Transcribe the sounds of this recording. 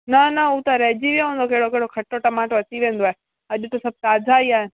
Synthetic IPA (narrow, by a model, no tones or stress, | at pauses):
nɐnɐʊt̪ãɾɐɦd͡ʑiʋijõõːnd̪okɐɦɪɽokeɦɪɽokʰɐʈoʈɐmaːʈʋɐt͡ɕiʋẽːn̆d̪oaːɦe | ɐʄʊt̪osɐb̚t̪aːd͡ʒʱaiaːɦɪn